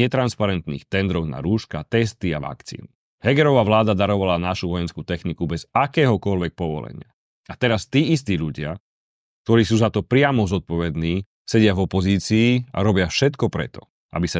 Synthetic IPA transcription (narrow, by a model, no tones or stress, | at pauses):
ɛt̪ɾanspaɾɛnt̪nḭːxt̪ɛnd̪ɾɔɣna̰ɾuːʃkat̪ɛst̪iaʋa̰kt͡sḭːn | hɛɡɛɾɔʋaʋlaːd̪ad̪aɾɔʋalanaʃuʋɔjɛnskut̪ɛxnikubɛzakɛːɦɔkɔʎʋɛk̚pɔʋɔ̰lɛ̰ɲɪa | at̪ɛɾast̪iːist̪iːʎuɟɪa | k̚t̪ɔɾiːsuːzat̪ɔpɾɪamɔzɔt̪̚pɔʋɛd̪niː | sɛɟɪavɔpɔziːt͡siːa̰ɾɔbɪafʃɛt̪kɔpɾɛ̰t̪ɔ | a̰bisa